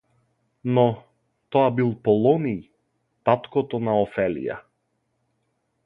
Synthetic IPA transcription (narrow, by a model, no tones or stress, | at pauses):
nɔ | t̪ɔabilˠpɔlˠɔnij | t̪at̪kɔt̪ɔnaɔfɛlḭja̰